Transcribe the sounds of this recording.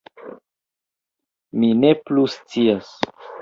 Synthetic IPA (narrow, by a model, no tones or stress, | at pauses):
mine̞plust͡sias